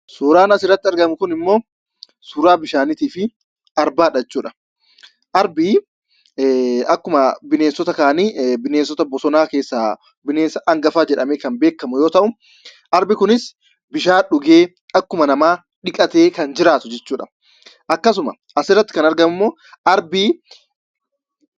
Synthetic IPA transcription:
suːɾaːnɐsɪrːɐt̪ːɪɐɾɡɐmʊkʊnɪmːo̞ː | suːɾaːbɪʃaːnɪt̪iːfɪ | ɐɾbaːᶑɐt͡ʃːuːᶑɐ̥ | ʔɐɾbɪ | ɐkːʊmɐbɪneːnsɔt̪ɐkaːniːbɪneːnsɔt̪ɐbɔsɔnaːke̞ːsːa | bɪneːnsɐʔɐŋɡɐfaːd͡ʒɛᶑɐmeːkɐnbe̞ːkːɐmʊjo̞ːt̪ɐʔʊm | ʔɐɾbɪkʊnɪs | bɪʃaːᶑʊɡeː | ɐkːʊmɐnɐmaː | ᶑɪkʼɐt̪e̞ːkɐnd͡ʒɪɾaːt̪ʊd͡ʒɛt͡ʃːuːᶑɐ̥ | ʔɐkːɐsʊmɐ | ʔɐsɪrːɐt̪ːɪ̥kɐnɐɾɡɐmʊmːoː | ʔɐɾbiː

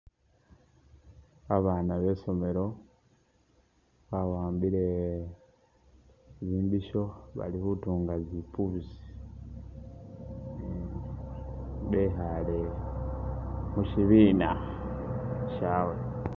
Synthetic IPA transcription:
aβaːnaβe̞so̞me̞ɾo̞ | βawaːmbiɾe | βiːmbiʃo̞βa̰lihutuːŋɡazipʰuβzi̥ | βeɦale | muʃiβiːna | ʃawe

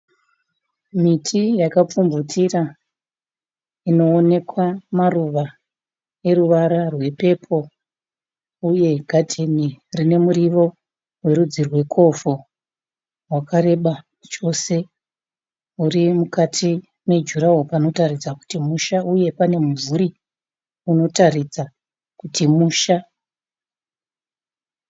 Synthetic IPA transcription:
mitʰijakap͡fumbutʰira | ino̞ːne̞kwamaruʋa | e̞ɾuʋaɾarwe̞pe̞pʰo̞ | uje̞ɡʱadʱe̞nirine̞muɾiʋo̞ | we̞ɾud͡zirwe̞kʰo̞fu | rwakaɾe̞ɓa | t͡ʃo̞se̞ | urimukatʰi | me̞d͡ʒuɾawopano̞tarid͡zaku̥timuʃaʔuje̞pane̞muvuɾi | uno̞tarid͡za | kutimuːʃa

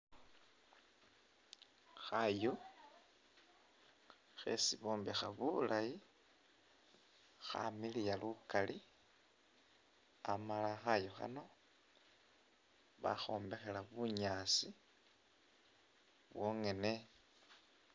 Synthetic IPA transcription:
xajo | xḛsiβo̞ːmbexaβulaji | xa̰milijalukali | amalaxajoxa̰no̞ | βa̰xo̞ːmbe̞xe̞laβuɲaːsi | βwoŋe̞ne̞

